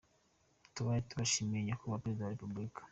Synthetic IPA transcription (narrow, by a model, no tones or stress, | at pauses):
tuβajituβaʃimieɲakuβapeɾezidaβwaɾepublikḁ